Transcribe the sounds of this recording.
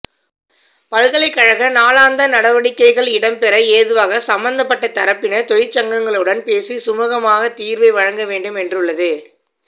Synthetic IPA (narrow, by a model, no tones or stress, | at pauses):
pɐɻɣɐɭɐɪkːɐɻɐɣɐnaːlaːnd̪ɐnɐɽɐʋɐɽɪkːɐɪɣɐɭɪɽɐmpɛɾɐeːðɯʋaːɣɐsɐmbɐnd̪ɐpːɐʈːɐt̪ɐɾɐpːɪnɐt̪ɔjɪt͡ʃːɐŋɡɐŋɡɐɭɯɽɐnpeːsisʊmɐɣɐmaːɣɐt̪iːɾʋɐɪʋɐɻɐŋɡɐʋeːɳɖɯmɛndrɯɭːɐðɯ